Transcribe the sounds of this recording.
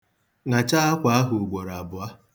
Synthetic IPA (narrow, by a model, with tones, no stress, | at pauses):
ŋa˨t͡ʃa˦a˦kʷa˨a˦ɦʊ˨ɡ͡bo˨ɾa˨bʊ˨a˦